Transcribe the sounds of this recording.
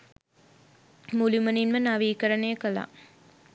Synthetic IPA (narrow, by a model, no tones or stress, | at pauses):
mulimɐninmɐnɐʋiːkɐɾɐneːkɐla̰